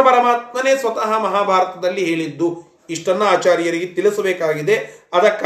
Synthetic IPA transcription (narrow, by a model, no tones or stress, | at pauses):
ɐpɐɾɐmaːt̪̚mɐneːsʋɐt̪ɐɦɐmɐɦaːbʱaːɾɐt̪ɐd̪ɐlːiɦe̞ːɭid̪ːu | iʂʈɐnːuaːt͡ʃaːɾijɐɾiɡet̪ilɐsɐbeːkaːɡid̪e̞ɐd̪ɐkː